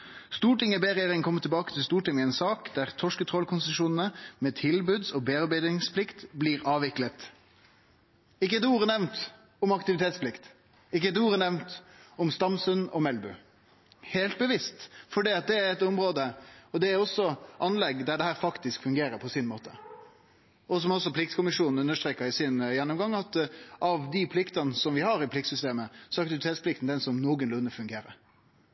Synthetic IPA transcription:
st̪uːʈɪŋəbeːɾɛjeːɾɪŋkʰɔmːət̪ʰɪbɑːkət̪ʰɪlst̪uːʈɪŋəɛɪnsɑːkd̪æʁt̪ʰɔʂkət̪ʰʁɔlkʰʊnsəʂuːnn̩əmɛːt̪ʰɪlbʉd̪sɔbeːɑʁbæɪd̪ɪŋspʰlɪkt̪bliːɾɑːʋɪklət̪ | ɪk̬ːəd̪uːɾənɛʋnt̪ | ʊmɑkt̪ɪʋɪt̪ʰeːt̪spʰlɪkt̪ | ɪk̬ːəd̪uːɾənɛʋnt̪ʊmst̪ɑmsʉnɔmɛlbʉ | heːlt̪̚bəʋɪst̪fɔɖiːɑt̪̚d̪ɛæɾɛt̪ɔmɾoːd̪əɔd̪ɛæɾɔsːɔʔɑnlɛɡd̪æɖɛhæːɾfɑkt̪ɪskfʉŋɡeːɾəɾpʰɔsɪnmoːt̪ə̥ | ɔs̬ɔmɔsːɔpʰlɪkt̪skʊmɪʂuːnn̩ʉnːəʂt̪ɾeːkəɾɪsɪnjɛnːʊmɡɑŋːɑt̪ʔɑʋd̪ɪpʰlɪkt̪ɑnəsɔmʋɪhɑɾɪpʰlɪk̚t̪sʏst̪eːməsɔɑk̚t̪ɪʋɪt̪ʰeːt̪spʰlɪkt̪n̩d̪ɛnsɔmnoːɡənlʉnːəfʉŋɡeːɾə̰ɾ

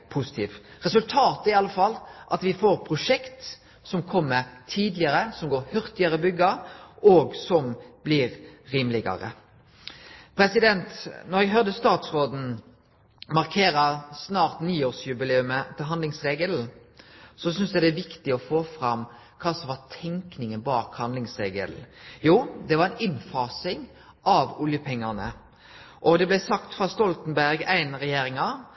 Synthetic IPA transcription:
pʰʊsɪ̥t̪ʰiːʋʁɛsʉlt̪ʰɑːt̪æɾɪɑləfɑlːʔɑt̪ʋɪfoːɾpʰɾʊʂɛkt̪ | sɔmkʰɔmːəɾt̪ʰiːd̪lɪəɾəsɔmɡoːɾhœɾt̪ɪəɾəbʏɡːəɾʔɔːɡsɔmb̥liːɾɾiːmlɪɡɑ̰ɾə̰ | pʰɾɛsɪd̪ɛnt̪nɔɾɛɡɦœʁd̪əst̪ɑːt̪sʁoːd̪n̩ | mɑɾkʰeːɾəsnɑːɾt̪niːoːʁsjʉbɪleːʉmət̪ʰɪlɦɑnd̪ɪŋsʁeːɡəl | sɔsʏnsd̪ɛd̪ɛæʋɪkt̪ɪɔfoːfɾɑm | kʰɑːsɔmʋɑt̪ʰɛŋknɪŋənbɑːkhɑnd̪lɪŋsʁeːɡə̰l̩juːd̪ɛʋɑʁæɪnɪnfɑːsɪŋ | ʔɑʋʊljəpʰɛŋːɑʁnə̰ | ʔɔd̪ɛblæɪsɑkt̪fɾɑst̪ɔlt̪n̩bæɾɡæɪnʁɛjeːɾɪŋɑ

